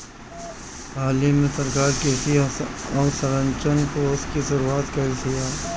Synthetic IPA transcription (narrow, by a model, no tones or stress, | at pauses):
ɦaːlemẽsɐɾkaːɾkeːsiɔːsəɾə̃ɲt͡ʃənkoːskisʊɾuːaːt̪kɐɾit̪ijaː